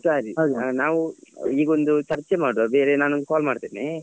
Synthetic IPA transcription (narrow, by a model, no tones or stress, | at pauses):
saːɾiɦoːd̪unaːʋuiːɡond̪ut͡ʃɐɾt͡ʃemaːɽabeːɾenaːnond̪ukaːlmaːɖt̪eːne